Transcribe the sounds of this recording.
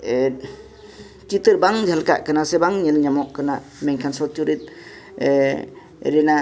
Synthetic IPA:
t͡ʃit̪ɯɾbaŋd͡ʒʱalka̰ʔkɯnasebaŋɲilɲamɔkːɯna | meŋkʰansɔltuɾit̪̚ | ɾena

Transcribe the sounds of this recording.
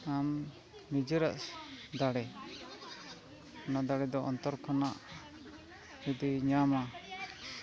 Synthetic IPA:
am | nid͡ʒəɾaʔd̪aɽɛ | kʰanaʔd̪aɽɛd̪ɔɔnt̪ɔɾkʰanaʔ | ud̪iɲama

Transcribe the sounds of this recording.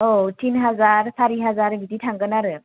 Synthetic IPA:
otinɦad͡zaɾsaɾiɦad͡zaɾɡit̪iʈʰãŋɡənaɾɯ

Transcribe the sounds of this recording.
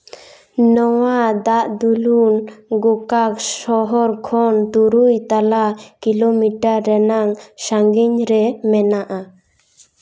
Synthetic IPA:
nɔwad̪aʔd̪ulunɡukaksɔɦɔɾkʰɔnt̪uɾujt̪alakilomiʈaɾːɛnaŋsaŋɡiɲɾɛmɛnaʔa

